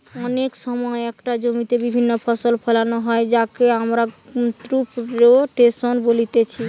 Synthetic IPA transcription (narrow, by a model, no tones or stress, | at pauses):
ɔneksɔmɔeekʈad͡ʒomit̪ebibʱinːopʰɔsolpʰelanoɦɔed͡ʒakeamɾat̪ɾupɾoʈesonbolit̪et͡ɕʰi